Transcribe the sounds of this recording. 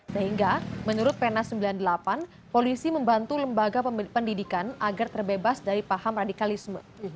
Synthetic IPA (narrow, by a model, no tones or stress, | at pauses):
səɦiŋɡamənuɾʊt̪̚penasəmbilandəlapan | polisiməmbant̪uləmbaɡapəndidikanaɡart̪ərbebasdaɾipahamradikalismə̰